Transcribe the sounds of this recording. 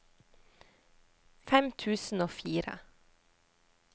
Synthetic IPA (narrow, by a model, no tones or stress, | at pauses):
fɛmt̪ʰʉːsn̩oːfiːɾə̰